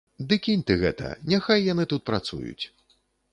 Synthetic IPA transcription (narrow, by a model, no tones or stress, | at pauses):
d̪ɨkʲinʲt̪ɨɣɛt̪ɐ̰nʲaxajːanɨt̪ut̪̚pɾat̪sṵjṵt͡sʲ